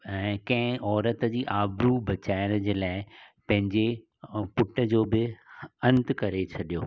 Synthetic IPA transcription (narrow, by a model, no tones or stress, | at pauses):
ɛ̃ːkɐ̃ɦɪ̃ʔɔːɾət̪əd͡ʑiːʔaːbɾubɐt͡ɕaːɪəɽ̃əd͡ʑeːlaːɪpɐ̃ɦɪ̃ɲd͡ʑe | pʊʈəd͡ʑoːbɪɐ̃nt̪kɐɾet͡ɕʰɐɗijo̰ː